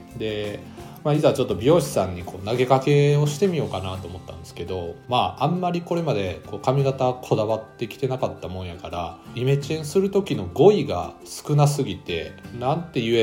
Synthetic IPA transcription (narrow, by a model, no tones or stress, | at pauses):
d̪e̞ | maizat͡ɕo̞t̪ːobʲo̞ːɕi̥sãɲ̟ːikʰo̞ːnaɡe̞kake̞o̞ɕi̥t̪e̞mʲijo̞ːkanat̪o̞ːmo̞t̪ːã̰nd̪e̞sɨ̥ke̞d̪o̞maãmːaɾʲiko̞ɾe̞mad̪e̞ko̞ːkamʲiɡat̪akʰo̞d̪aβat̪ːe̞kʲi̥t̪e̞nakat̪ːamõ̞ɰ̃jakaɾa̰ime̞t͡ɕiẽɰ̃sɨɾɯ̟t̪o̞kʲino̞ɡo̞iɡa̰sɨ̥kɯ̟nasɨɡʲit̪e̞̰nãnt̪e̞jɯe